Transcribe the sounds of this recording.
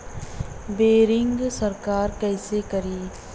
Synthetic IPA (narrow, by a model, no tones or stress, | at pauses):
beːɾɪŋɡsɐɾkaːɾkɛːsekɐɾiː